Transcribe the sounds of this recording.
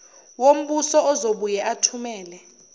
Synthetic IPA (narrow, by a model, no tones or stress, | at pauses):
wom̩ɓusɔɔzoɓujɛʔatʰumɛːlɛ